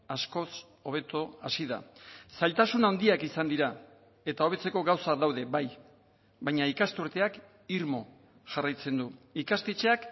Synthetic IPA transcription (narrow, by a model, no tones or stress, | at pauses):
asko̞s | o̞β̞e̞t̪oasiða̰salt̪asunaond̪iakisand̪iɾa | e̞t̪ao̞e̞t͡se̞ko̞ɣawsad̪awðe̞βaj | βajɲaikast̪uɾt̪e̞ak | iɾmo̞ | ʝarajt͡se̞nd̪uikast̪et͡ʃe̞ak